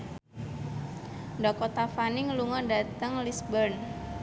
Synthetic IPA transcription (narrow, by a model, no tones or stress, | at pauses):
ndɔkɔt̪afanɪŋluŋɔdat̪əŋlisbərn